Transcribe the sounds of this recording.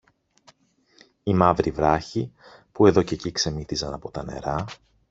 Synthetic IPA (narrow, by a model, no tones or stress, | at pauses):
imɐvɾivɾɐçipue̞ðo̞ce̞cikse̞miθizɐnɐpo̞t̪ɐne̞̰ɾɐ